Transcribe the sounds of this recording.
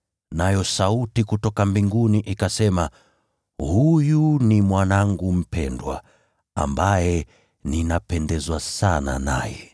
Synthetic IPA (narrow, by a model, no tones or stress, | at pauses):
najɔsautikutɔkambiŋɡuniʔikasɛma | hujunimwanaŋɡum̩pɛndwa̰ | a̰mbajɛ | ninapɛndɛzwasana̰na̰jɛ